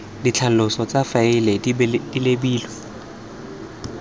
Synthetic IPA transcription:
dit͡ɬʰalʊsɔt͡safaɪled̥ilebiːlɔ

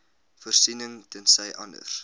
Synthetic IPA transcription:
fərsinəŋtənsɛjʔɐndə̰r

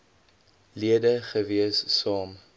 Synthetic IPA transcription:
liədəχəviəsːɑːm

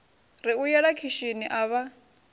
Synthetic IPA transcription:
riujɛɺakʰiʃiniʔaːβa

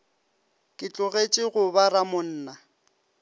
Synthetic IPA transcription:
kʼɪt͡ɬʼʊɣet͡ʃʼɪɣʊbaramʊn̩ːna

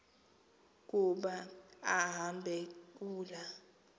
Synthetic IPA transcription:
k̬uɓaaɦambʱek̬uːla

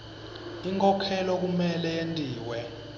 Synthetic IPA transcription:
iŋkʰʼɔkʰɛlɔk̬umɛlɛjentʼiːwɛ

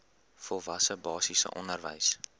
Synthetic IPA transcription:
fɔlˠvɐsəbɑːsisə̰ʔɔnərvə̰js

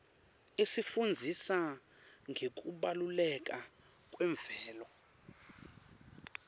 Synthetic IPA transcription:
esifund͡zʱisa | ŋʱek̬ʼuɓalulɛk̬ʼa | kʼwɛɱb̪v̥ɛːlɔ

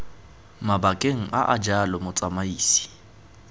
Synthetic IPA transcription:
mabakʼeŋ̩ʔa̰ʔad͡ʒalɔmʊt͡sʼamaiːsi̥

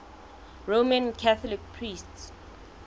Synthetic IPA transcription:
ɹomãnkʰaθɔlik̚pʰɹists

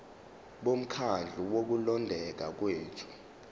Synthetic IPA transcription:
ɓom̩kʰand͡ɮʱuwok̬ulɔndʱɛk̬ak̬weːtʰu̥

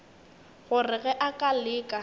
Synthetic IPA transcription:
ɣʊrɪɣɛʔakʼalɪːkʼa

